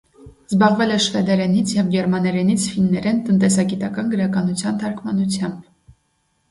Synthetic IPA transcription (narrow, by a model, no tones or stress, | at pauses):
zbɑʁvɛlɛʃvɛd̪ɛɾɛnit͡sʰjɛvɡɛɾmɑnɛɾɛnit͡sʰfinːɛɾɛnt̪ənt̪ɛsɑɡit̪ɑkɑnɡəɾɑkɑnut͡sʰjɑnt̪ʰɑɾkʰmɑnut͡sʰjɑmb̥